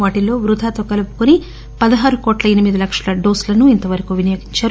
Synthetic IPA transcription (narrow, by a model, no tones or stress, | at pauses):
ʋaːʈilo̞ːʋɾud̪ʱaːt̪oːkɐlupu̥kuni | pɐd̪ɐɦaːɾukoːʈlɐenimid̪ilɐkʂɐlɐɖoːslɐnuint̪ɐʋɐɾɐkuʋinɐjoːɡiɲt͡ʃaːɾ